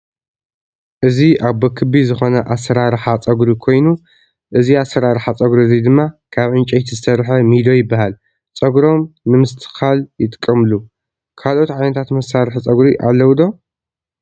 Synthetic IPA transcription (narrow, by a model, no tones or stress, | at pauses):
ʔɨziʔaβbɐkʰɨbizɨxo̞nɐʔasːɐɾaɾħat͡sʼɐɡɾikʰo̞jnu | ʔɨziasːɐɾaɾħat͡sʼɐɡɾizid̪ɨmːakʰaβʕɨnt͡ʃʼɐjt̪ʰizɨsɐɾħɐmid̪o̞jɪbːahal | t͡sʼɐɡɾo̞mːɨmɨst̪ʰɨ̥xaljɪt̪ʼɨkʼːɐmɨlu | kʰalʔo̞t̪ʕajnɐt̪ʰat̪mɐsaɾɨħt͡sʼɐɡɾiʔalːɐwd̪o̞